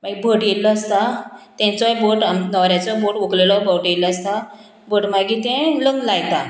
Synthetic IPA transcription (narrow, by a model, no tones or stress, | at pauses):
maɡibʱəʈjelːɔəst̪at̪ɛ̃t͡sɔjboʈanɔɾjat͡sɔboʈoklelɔbəʈjeləəst̪a | boʈmaɡit̪ɛ̃ləŋlajt̪a